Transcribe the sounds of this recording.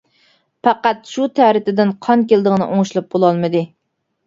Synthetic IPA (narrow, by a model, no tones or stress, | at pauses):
pɑqæt̪ʃut̪ʰæɾɪt̪ɪd̪ɪnqʰɑŋkʲelˠd̪əʁnɨʔoŋʃlˠɑp̚bolˠɑlˠmɨd̪ɨ